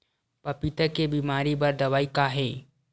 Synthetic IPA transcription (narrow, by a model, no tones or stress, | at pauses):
pɐpit̪əkebiːmaːɾibɐɾd̪ɐʋaːikaɦɛː